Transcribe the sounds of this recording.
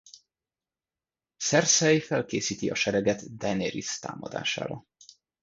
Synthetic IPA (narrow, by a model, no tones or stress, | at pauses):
sɛrsɛjfɛlkeːsiːt̪iɒʃɛɾɛɡɛt̪d̪ɛneɾḭst̪a̰ːmɒ̰d̪a̰ːʃa̰ːɾɒ